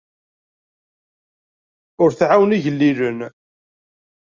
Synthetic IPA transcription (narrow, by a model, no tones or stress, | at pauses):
ʊɾθʕawniʝəlːilən